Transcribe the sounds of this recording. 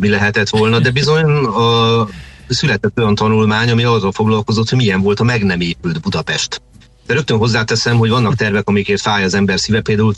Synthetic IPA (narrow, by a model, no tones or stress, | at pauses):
milɛɦɛt̪ɛt̪ʋo̞lnɒd̪ɛbizo̞ɲnɒ | sylɛt̪ɛt̪ːo̞jɒnt̪ɒnulmaːɲɒmiɒrːɒlfo̞ɡlɒlko̞zot̪hoɟmijɛɱvo̞lt̪ɒmɛɡnɛmeːpyld̪bud̪ɒpɛʃt̪ | d̪̥ɛɾø̞k̚t̪ønɦo̞zːaːt̪ɛsɛmɦho̞ɟvɒnːɒk̚t̪ɛrvɛkɒmijkeːt̪faːjɒzɛmbɛrsiːvɛpeːld̪aːul